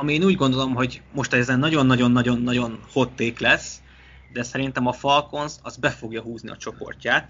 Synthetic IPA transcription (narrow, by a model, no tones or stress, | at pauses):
ɒmieːnuːɟɡo̞nd̪o̞lo̞mɦo̞ɟmo̞ʃt̪ɛzɛnːɒɟo̞nːɒɟo̞nːɒɟo̞nːɒɟo̞nho̞t̪ːeːklɛs | d̪ɛsɛɾint̪ɛmɒfɒlko̞nzɒzbɛfo̞ɡjɒɦuːzniɒ̰t͡ʃo̞po̞̰rcaːt̪